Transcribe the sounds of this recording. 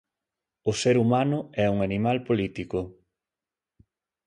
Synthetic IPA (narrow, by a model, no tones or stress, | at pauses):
ʊseɾumanʊɛuŋanimalpolit̪ikʊ